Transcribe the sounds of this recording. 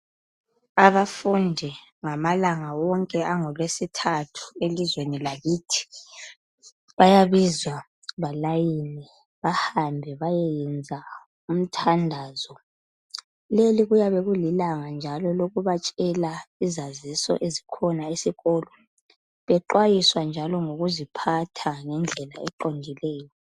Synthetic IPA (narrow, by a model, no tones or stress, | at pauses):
aβafundʱɛŋamalaŋawɔŋkʼɛaŋɔlwesitʰatʰu̥elizwenilaɣiːtʰi̥ | βajaβizwa | βalajini | βahambʱɛβajɛjɛnd͡zʱa | um̩tʰandʱazɔ | leliɣujaβɛɣulilaŋand͡ʒʱalɔloɣuβat͡ʃʼɛlaizazisɔ̰ʔezikʰɔnaesiɣɔːlɔ | βɛǃwajiswand͡ʒʱalɔŋoɣuzipʰatʰaŋɛnd͡ɮʱɛlaɛǃondʱilɛːjɔ